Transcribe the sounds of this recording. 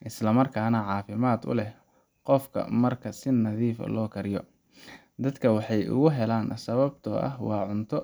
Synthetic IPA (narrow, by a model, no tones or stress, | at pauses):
ʔɪslɐmɐrkʰaːnɐʕɑːfɪmaːd̪ʊ̰lɛh | qɔfkʰɐ̰mɐrkʰɐsɪnɐðiːfɐ̰lɔːkʰɐɾjɔ | d̪ɐd̪kʰɐwɑħɑjʊ̰ɣʊɦɛlaːnsɐβɐbt̪ʰɔʔɐ̰ɦwɑːʕʊnt̪ʰɔ